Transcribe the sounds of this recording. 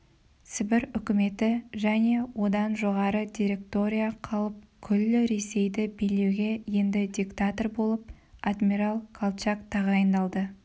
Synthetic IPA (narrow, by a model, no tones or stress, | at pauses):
sɪbɪɾʏkʲɪme̞t̪ɪʒæne̞wo̞d̪ɑnʒo̞ʁɑɾəd̪ʲiɾʲe̞k̚t̪o̞ɾʲijaqʰɑlˠəp̚kʲʰʏlːɪɾe̞se̞jd̪ɪbele̞wɡʲe̞je̞nd̪ɪd̪ʲikt̪at̪o̞rbo̞lˠəp̚ | ad̪miɾalˠkʰalˠt͡ʃakt̪ʰɑʁɑjənd̪ɑlˠd̪ə